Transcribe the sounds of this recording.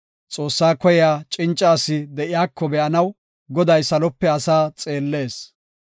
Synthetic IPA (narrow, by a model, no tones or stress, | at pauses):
t͡sʼo̞ːsːaːkɔjɛjaːt͡ʃʼɪnt͡ʃʼːaːsːɪd̪ɛʔɪjaːkʰːɔbɛʔɐnɐw | ɡɔd̪ɐjsɐlɔpːɛɐsaːt͡sʼe̞ːlːe̞ːs